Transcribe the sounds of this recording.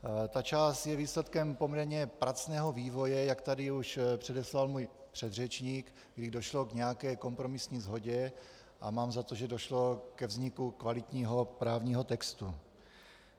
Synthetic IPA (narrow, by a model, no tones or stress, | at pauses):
t̪at͡ʃaːst̪jɛviːslɛt̪kɛmpomɲɛɾɲɛpɾat͡snɛːɦo̞viːvo̞jɛjakt̪adɪuʃpr̝̥ɛdɛslalmuːjpr̥ɛd̪rɛt͡ʃɲiːk | ɡdɪdo̞ʃlo̞ɡɲɛjakɛːko̞mpɾo̞mɪsɲiːzɦo̞ɟɛ | ʔa̰maːmzat̪oʒɛdo̞ʃlo̞kɛvzɲɪkukvalɪt̪ɲiːɦo̞pɾaːvɲiːɦo̞t̪ɛkst̪u